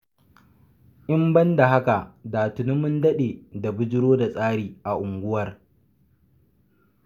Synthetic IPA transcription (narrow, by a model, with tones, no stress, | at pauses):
ʔɪ˦mbɐ˦nda˨ɦa˦ka˨daː˨tʊ˨nʊ˦mʊ˦ndɐ˦ɗeː˨da˨bʊ˦d͡ʒɪ˦ɾoː˦da˨sʼaː˦ɽiː˨ʔa˨ʔʊ˨ŋɡʷʊ˦wɐ˨r